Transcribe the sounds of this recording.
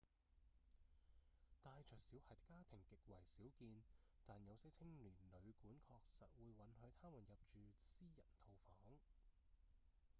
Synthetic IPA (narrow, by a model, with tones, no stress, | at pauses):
t̪aː˨˧jt͡ʃʰœː˨˩k̚siː˨˥whɐ˨t̪kːaː˥t̪ʰɪ˨˩ŋkɪ˨k̚wɐ˨˩jsiː˨˥wkiː˧nt̪aː˨njɐ˨˧wsɐ˥jt͡sʰɪ˥ŋlyː˨˩nlɵ˨˧ɥkuː˨˥nkʰɔː˧k̚sɐ˨t̚wuː˨˧jwɐ˨˥nɦɵ˨˧˥ɥt̪ʰaː˥muː˨˩njɐ˨p̚t͡ʃyː˨siː˥jɐ˨˩nt̪ʰo˧wfɔː˨˥ŋ